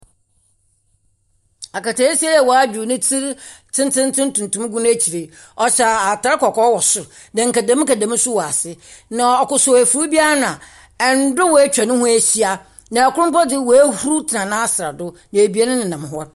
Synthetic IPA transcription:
a˨ka˨tʰa˨˦i˦sɛ˦jɛ˨wɔ˨a˦d͡ʑᶣu˨nɪ̃˦tʰi˦ɾ | tʰɪ̃˦n˦tʰɪ̃˦n˦tʰɪ̃˦n˦tũ˨n˨tʰũ˦m˦ɡũ˦n˦æ˦t͡ɕʰi˨ɾe˨ | ɔ˨ɕa˨a˨tʰa˨˦ɾkɔ˨kʰɔ˦wɔ˨sʊ˨ | dã˨ŋ̩˨kæ˨dã˦m̃˦kæ˨dã˨mɪ̃˦sʊ˦wɔ˨a˨sɪ˦nã˨ɔ˨kʊ˨sʊ˨æ˨fu˨ɾu˦bi˦a˦a˦nʊ̃˨ã˨ | ɛ˨n˨˦dʊ˦wɔ˨æ˦t͡ɕᶣa˨nʊ̃˦hʊ̃˦æ˦˨ɕi˦a˦ | nã˨kʊ˦ʊ̃˦mpɔ˦dɪ˦˨wɔ˨æ˦hu˦ɾu˦tʰɪ˨nã˨nãː˦a˦sɾa̰˨dʊ˦ | nã˨e˨bi˨˦a˦nʊ̃˦nɪ̃˨nã˨m˦ɦɔ˦

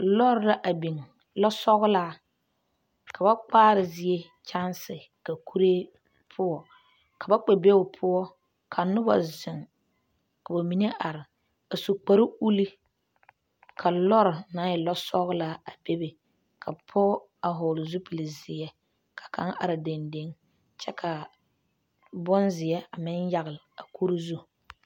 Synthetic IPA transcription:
lɔ˦ɾɾa˦ʔa˨bi˨ŋ | lɔ˦sɔ˦ɣʊ˦laː˦ | ka˨ba˦k͡paː˦ɾɪ˨zɪ˨e˦ | t͡ʃa˦nsɪ˨ | ka˨kʰu˦ɾeː˦ | pʰʊ˦ɔ˨ | ka˨ba˦k͡pe˨be˦wʊ˨pʰʊ˦ɔ˦ | kʰa˨nʊ˦ba̰˨zɪ˨ŋ | ka˨ba˨mi˨ne˦ʔa˨ɾɪ˨ | a˨su˨k͡pa˨ɾɪ˦u˦li˦ | kʰa˨lɔ˦ɾɪ˨na˨˦jɪ˨lɔ˦sɔ˦ɣla˦a˨be˦be˨ | kʰa˨pʰɔ˦ | a˨ɦʊː˨lʊ˨zu˦pi˨lɪ˨zɪ˨jɛ˦ | kʰḁ˨kʰa̰˨˦ŋa̰˨ɾɪ˨de˨nde˦ŋ | t͡ʃɛ˦kʰa˨ | bʊ˦nzɪ˨jɛ˦a˨mɪ˦nja˦ɣɪ˨la˨kʰu˦ɾi˦zu˦

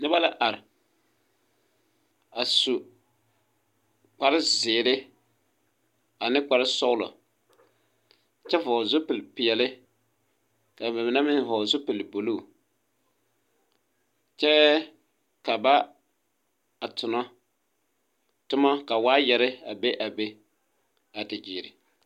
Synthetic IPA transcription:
nɨ˦ba˦la˦ʔa˨ɾɪ˨ | a˨su˨ | k͡pa˨ɾɪ˦zɪː˨lɪ˦ | a˨nɪ˦k͡pa˨ɾɪ˦sɔ˦ʊ˦lɔ̰˨ | t͡ʃɛ˦fɔː˨zʊ˦pɪ˨lpɪ˨ɛ˨lɪ˦ | ka˨bɛ˨mɪ˨na˦mɪ˦n˦vɔː˨zʊ˦pɪ˨lbo˨lu˦˨ | t͡ʃɛ˦ | ka˨ba˦ | a˨tʊ˨nɔ˦ | tʊ˦ma˦ka˨waː˦jɛ˨ɾɪ˦a˨be˦ʔa˨be˦ | a˨dɪ˨d͡ʒiː˨ɾɪ̰˨

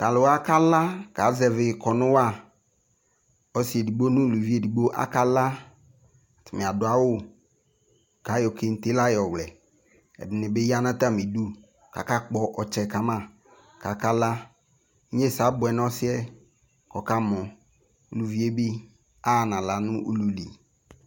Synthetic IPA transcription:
t̪a˨lʊ˨wa˦ka˦la˦ka˨˦zɛ˨vɪ˨kʰɔ˨nʊ̃˦wa˦˨ | ɔ˦sɪ˨ɛ˨di˨bo˦nʊ̃˦˨lu˨vi˦e˨di˨ɡ͡bo˦ʔa̰˦ka˦la˦˨ | tɪ˨mɪ̃˨a˨dʊ˨˦a˦wʊ˦˨ | ka˨˦jɔ˨ke˨n̩˨t̪e˦la˦jɔ˨wlɛ˨ | ɛ̰˨dɪ˨nɪ̃˨bɪ˦ja˦nã˦t̪a˦mĩ˨du˦ | ka̰˨ka˦k͡pɔ˦ʔɔ˨t͡ʃɛ˨ka˨mã˦ | ka˨ka˦la˦ | ɲe˦˨sa˨˦bʊ˨ɛ˨n˦ɔ˦sɪ˦ɛ˦ | kɔ˨ka˦mɔ̃˨ | u˨lu˨vi˦e˦bi˦ | a˦˨nã˨la˨nʊ̃˦ʔṵ˦lu˨lḭ˨

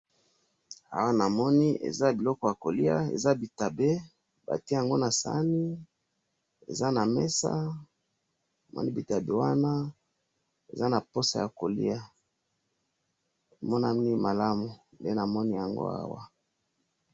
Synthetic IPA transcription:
a̰˦wa˦na˨mɔ˦ni˦ʔḛ˨za˦bi˨lɔ˦kɔ˦ja˨ko˨li˦a̰˦ḛ˨za˦bi˨ta˨be˦ | ba̰˨ti˦ja˨ŋɡo˦na˨sa̰˦ni˦ | ḛ˨za˦na˨mɛ˦sa̰˦ | n˨mɔ̰˦ni˦bi˨ta˨be˦wa˦na˦ | ḛ˨za˦na˨po˦sa̰˨ja˨ko˨lḭ˦a˨ | mɔ˦na˨mi˦ni˦ma˨la˦mu˨mbe˦na˨mɔ˦ni˦ja˨ŋɡo̰˦a̰˦wa˦

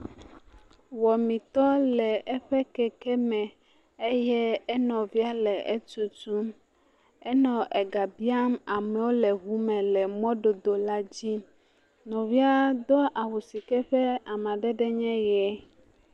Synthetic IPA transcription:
wɔ˨mĩ˨t̪ɔ˦lɛ˨ʔɛ˦ɸɛ˦kɛ˦kɛ˦mɛ̃˨ | e˦jɛ˦ɛ˦nɔ̃˨vi˦a˦lɛ˨ʔɛ˦t͡ʃu˨tu˦m | ɛ˦nɔ̃˨ʔɛ˨ɡa˨bi˦a˦ma˨mɛ̃˨wo˦lɛ˨ɦu˦mɛ̃˨lɛ˨mɔ̃˦ɖo˨d̪o˨la˦d͡ʑi˦ | nɔ̃˨vi˦a˦d̪ɔ˦ʔa˨wu˨si˨kɛ˦ɸɛ˦a˨mã˨ɖɛ˦ɖɛ˦ɲɛ̃˦jɛ˨˦

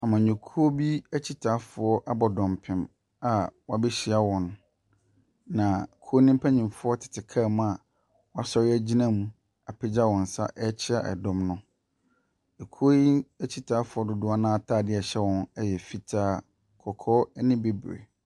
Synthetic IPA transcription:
a˨mã˨ɲɔ̃˨kʰu˦o˦bi˦æ˦t͡ɕʰi˦tʰaː˨˦fʊ˨ɔ˦ʔa˦bɔ˨dɔ̃˨mpʰɪ̃˨m | a˨wɔ˦a˦bɛ˦ɕɪ˨a˦wɔ̃˨n | nã˨kʰu˦o˦nĩ˦m˦pʰa˦ɲĩ˨mfʊ˦ɔ˦tʰɪ̥˨tʰɪ˨kʰaː˦˨m̃˦a˨ | wɔ˦a˦sɔ˦ɾɪ˦æ˦d͡ʑi˦nã˦mũ˨ | a˨pʰɪ˦d͡ʑa˦wɔ̃˨n̩˨sa̰˦ʔɛ˦t͡ɕʰɪ˦a˦˨ʔɛ̰˨dɔ̃˦mnʊ̃˦ | e˨kʰo˦i˦æ˦t͡ɕʰi˦tʰaː˨˦fʊ˨ɔ˦dʊ˨dʊ˦a˦nãː˦tʰaː˦˨dɪ˦ɛ˨ɕɛ˦wɔ̃˨˦nɛ˦jɛ˨fi˦tʰaː˦ | kʰɔ˨kʰɔ˦nɪ̃˦be˦bɾḛ˨

